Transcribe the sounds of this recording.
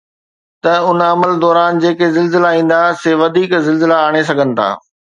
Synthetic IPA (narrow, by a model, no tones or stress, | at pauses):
t̪ɐʊnɐməld̪ɔːɾaːnd͡ʑeːkezɪlzɪlaĩːn̆d̪aseːʋɐd̪ʱiːkzɪlzɪlaːɽ̃es̬ɐɡʱənɪ̆t̪ʰa̰ː